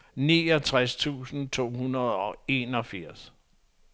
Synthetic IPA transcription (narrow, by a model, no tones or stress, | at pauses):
niːɒt͡sʰʁast͡sʰṵːsn̩t͡sʰo̝̰ːɦhunɐð̞ˠɒ̽e̝nɒ̽fiɐ̰s